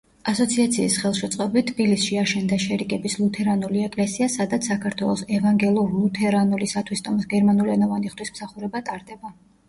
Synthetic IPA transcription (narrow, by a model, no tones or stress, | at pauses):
asɔt̪sʰiat̪sʰiːsχɛlˠʃɛt̪sʼqʼɔbitt̪ʰːbilisʃiaʃɛnd̪aʃɛɾikʼɛbislˠut̪ʰɛɾanuliɛkʼlɛsiasad̪at̪sʰakʰaɾt̪ʰwɛlˠɔsɛvaŋɡɛlˠɔlˠut̪ʰɛɾanulisat̪ʰwist̪ʼɔmisɡɛɾmanuliɛnɔvaniχd̪wismsaχuɾɛbat̪ʼaɾd̪ɛba